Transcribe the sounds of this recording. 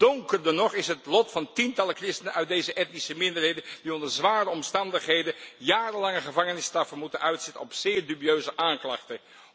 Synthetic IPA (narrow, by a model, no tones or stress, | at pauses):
d̥ɔŋkəɹdɑnɔχɪsɦətlɔtfɑntintɑlˠəkrɪstənənœɥt̚dejzəʔɛtnisəmɪndəɹɦejdəndiɔndəɹzʋaːrəɔmstɑndəχɦejdəjaːrəlɑŋəχəvɑŋənɪstɑfəmutənœɥtsɛtə̰nɔpsɪːɹdybiøɥzəʔaːŋklɑ̰χtə